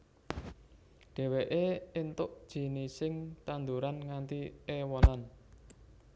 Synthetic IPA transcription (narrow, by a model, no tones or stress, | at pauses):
ɖ̥ɛ̤weʔeent̪ʊʔd̥ʒ̥i̤nisɪŋt̪and̪uɾanŋant̪iewɔnan